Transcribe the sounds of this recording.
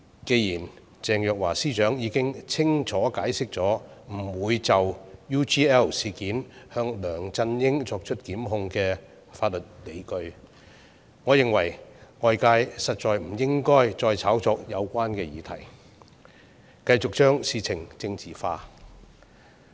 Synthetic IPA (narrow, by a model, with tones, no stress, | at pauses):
ke˧jiː˨˩n | t͡sɛː˨ŋjœː˨k̚waː˨˩siː˥t͡ʃœː˨˥ŋjiː˨˧˥kɪ˥ŋt͡sʰɪ˥ŋt͡ʃʰɔː˨˥kaː˨˥jsɪ˥k̚t͡sɔː˨˥m̩˨˩wuː˨˧jt͡sɐ˨wjuː˥t͡ʃiː˥ɛː˥wsiː˨kiː˨˥nhœː˧ŋlœː˨˩ŋt͡sɐ˧njɪ˥ŋt͡sɔː˧k̚t͡ʃʰɵ˥t̚kiː˨˥mɦʊ˧ŋkɛː˧ | faː˧t̚lɵ˨t̚le˨˧jkɵ˧ɥ | ŋɔː˨˧jɪ˨ŋwɐ˨˩jŋɔː˨jkaː˧jsɐ˨t̚t͡ʃɔː˨jm̩˨˩jɪ˥ŋkɔː˥jt͡sɔː˧jt͡sʰaː˨˥wt͡sɔː˧k̚jɐ˨˧wkʷaː˥nkɛː˧jiː˨˧t̪ʰɐ̰˨˩j | kɐ˧jt͡sʊ˨k̚t͡ʃœː˥ŋsiː˨˧t͡sʰɪ˨˩ŋt͡sɪ˧ŋt͡siː˨faː˧